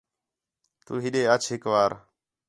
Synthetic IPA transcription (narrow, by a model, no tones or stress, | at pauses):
t̪uːɦɪɗeːət͡ʃʰɦɪkʋaːɾ